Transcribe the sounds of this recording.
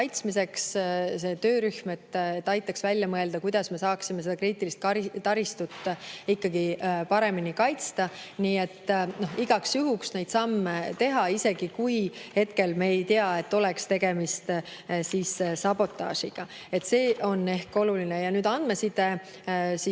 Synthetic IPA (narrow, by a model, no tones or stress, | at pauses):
ɑjt̪smise̞ksse̞t̪ø̞ːɾyhme̞t̪ːet̪ːɑjt̪ːˑɑksvælʲjɑmɤe̞ld̪̥ɑkujd̪̥ɑsme̞sɑːksimese̞d̪ɑkriːt̪ːˑilist̪̚kɑɾit̪ɑɾist̪ut̪ːˑikːɑɡipɑɾe̞minikɑjt̪st̪ɑniːe̞t̪ːno̞hiɡ̥ɑksjuɦuksne̞jd̪sɑmːet̪e̞ɦɑise̞ɡ̥ikujhe̞t̪ke̞lmeːjt̪eɑe̞t̪ːo̞lekst̪e̞ɡ̥e̞mist̪sissɑbo̞t̪ːˑɑ̰ːʃiɡ̥ɑ | e̞t̪ːse̞ːʔo̞nːe̞hko̞lulinejɑnyːd̪ɑnd̪̚me̞sit̪e | si